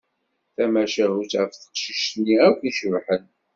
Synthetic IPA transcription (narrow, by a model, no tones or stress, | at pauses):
θæmæʃæɦut͡sʕəfθə̥qʃiʃt̪nːiækʷːiʃəvħən